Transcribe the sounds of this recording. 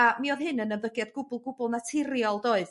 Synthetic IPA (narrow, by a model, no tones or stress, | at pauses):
amiɔðɦɨnənənvəɡjadɡʊbʊlˠɡʊbʊlˠnatʰɪrjɔlˠdoːɨð